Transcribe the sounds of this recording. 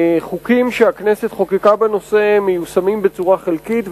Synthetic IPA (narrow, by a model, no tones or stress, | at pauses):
χukimʃeakne̞se̞t̪χokikabeno̞se̞mejusamimbe̞t͡suʁaχelkitv